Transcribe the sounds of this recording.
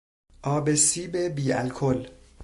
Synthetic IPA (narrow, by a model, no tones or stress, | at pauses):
ʔɒːbesiːbebiːæ̰lkʰol